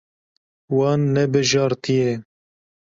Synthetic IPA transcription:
wɑːnːɛbɨʒɑːɾt̪ʰijɛ

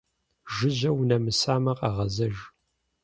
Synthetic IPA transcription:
ʒɨʑɐwnɐmɨsaːmɐqaʁɐzɐʒ

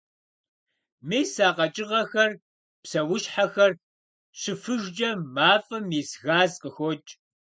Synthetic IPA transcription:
meːsaːqɐt͡ʃʼɪʁɐxɐr | psɐwʊɕħaxɐr | ɕɨfɨʒd͡ʒʼɐmaːfʼɐmiːsɣaːzqəxʷɔt͡ʃʼ

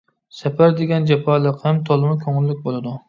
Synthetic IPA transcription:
sapʰaɾd̪eɡʲand͡ʒapʰalˠɪqhamt̪ʰolˠɪmakʲʰoŋɪlːɪk̚ʲbolˠɪd̪ʊ

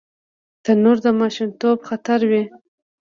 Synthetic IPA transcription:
t̪anoɾd̪əmɑʃint̪obxat̪aɾwi

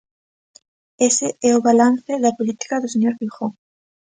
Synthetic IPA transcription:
esɪɛʊβalan̟θɪðɐpolit̪i̥kɐðʊseɲoɾβixoŋ

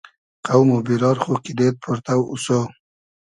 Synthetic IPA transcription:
qawmobiɾɑɾxokid̪et̪̚pʰʊɾt̪awṵso

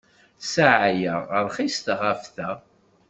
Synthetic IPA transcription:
saʕajəʁəɾˤχist̪əʁæfθæ

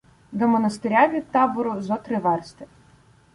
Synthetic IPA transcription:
d̪ɔmɔnɐst̪ɪɾʲavʲid̪̚t̪ɑbʊɾʊzɔt̪ɾɪʋɛrst̪ɪ̥

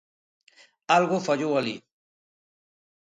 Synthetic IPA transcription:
alɣofaʎowalḭ

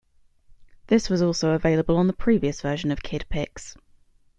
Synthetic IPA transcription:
ðɪswɒzɔˑlˠsəʊəveɪləbələ̃nðəpʰɹ̥iːviəsv̥ɜːˑʃə̃nəv̥kʰɪd̥pʰɪks

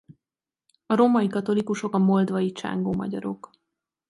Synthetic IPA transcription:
ɒɾoːmɒjikɒt̪o̞likuʃo̞kɒmo̞ld̪vɒjit͡ʃa̰ŋɡoːmɒ̰ɟɒ̰ɾo̞̰k

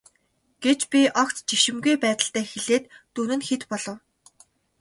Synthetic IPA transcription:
ɡ̥et͡ɕpʲiʔɔkt͡st͡ɕiʃɪ̆mɡujpæːt̪ə̆ɬt̪æːxeɮeːt̪ːuːnɘ̆nxet̪pɔɮɞ̆w

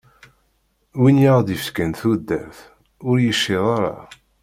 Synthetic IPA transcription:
winjaʁd̪ifkænθud̪ːæθ | ʊɾjəʃːiðˤaɾˤɑ̰

